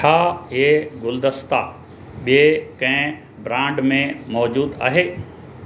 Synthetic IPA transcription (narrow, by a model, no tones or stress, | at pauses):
t͡ʃʰaːeɡʊld̪əst̪a | ɓiekɐ̃ɦɪ̃ | bɾãːɳɖmẽmɔːd͡ʑuːd̪a̰ːɦeː